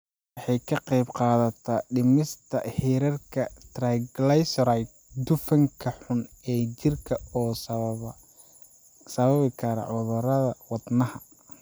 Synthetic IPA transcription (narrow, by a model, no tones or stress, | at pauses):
wɑħɑjkʰɐqɑjbqɑːðɐt̪ʰɐːɖɪmɪst̪ʰɐhiːɾɐrkʰɐt̪raɡlɐjsɾajt̪̚ | d̪ʊfɐŋkʰɐħʊn | ɛːt͡ʃɪrkʰɐɔːs | sɐβɐβɪkʰɐɾɐ̰ʕʊðʊɾɐðɐwɑd̪nɐhɐ